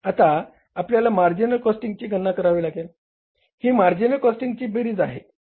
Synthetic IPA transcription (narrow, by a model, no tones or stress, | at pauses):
at̪aː | pljalamaɾd͡ʑinəlkɔsʈiŋɡ̚t͡ɕiːɡʱənːakəɾaʋiːlaɡel | hiːmaɾd͡ʑinəlkɔsʈiŋɡt͡ɕiːbiɾid͡zaɦe